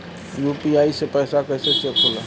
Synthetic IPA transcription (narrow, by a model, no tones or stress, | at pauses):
juːpiaːisepɛːsakəsesekʰʊla̰